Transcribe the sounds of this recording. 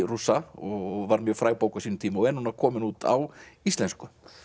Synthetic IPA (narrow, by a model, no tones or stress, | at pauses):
rusaɔvaɾmjœːfɾaːjwpowkasiːnʏmt̪ʰiːmaɔɛnːunakʰɔːmɪnuːt̪ʰa̰wist̪lɛnskʏ